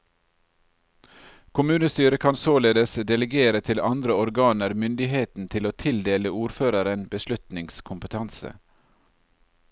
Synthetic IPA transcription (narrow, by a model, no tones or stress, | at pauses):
kʊmʉːnəst̪yːɾəkʰɑnsoːleːd̪əsd̪ɛləɡeːɾət̪ʰɪlɑnd̪ɾəɔɾɡɑːnəɾmʏnd̪ɪheːt̪n̩t̪ʰɪloːt̪ʰɪld̪eːləuːɾføːɾɑɾənbəʃlʉt̪nɪŋskʰʊmpət̪ʰɑnsə̰